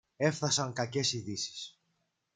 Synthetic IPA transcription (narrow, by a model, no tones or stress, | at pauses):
e̞fθɐsɐŋkɐce̞siðisi̥s